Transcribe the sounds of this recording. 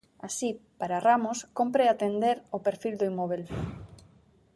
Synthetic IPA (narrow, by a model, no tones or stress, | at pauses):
asipaɾaramoskompɾeat̪end̪eɾopeɾfild̪oimɔβ̞el